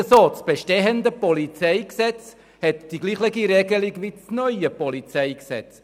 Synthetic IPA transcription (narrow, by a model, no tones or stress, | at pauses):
əsoːt͡sb̥eʃteɦəndəpɔlit͡seɪksɛt͡s | hɛtd̥iɡliːχlɪɡiɾɛɡəliɡvʋit͡snœʏəpɔlit͡sɛɪksɛ̰t͡s